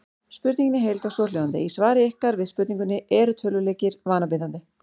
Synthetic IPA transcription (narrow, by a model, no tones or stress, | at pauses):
spʏɾt̪niŋcɪnɪɦejlt̪asɔːlowant̪ɪ̰isvaːɾɪɪhkaɾvɪðspʏɾt̪niŋkʏnːɪɛːɾʏt̪ʰœːlʏleːcɪɾvaːnapɪðant̪ɪ